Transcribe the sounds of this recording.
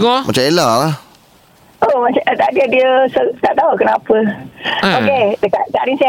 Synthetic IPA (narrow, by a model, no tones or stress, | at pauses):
ɔmat͡ʃamelalah | omat͡ʃaət̪aʔdiədiəsot̪aʔt̪aukənapə | okedəkaʔk̪aʔɾinsa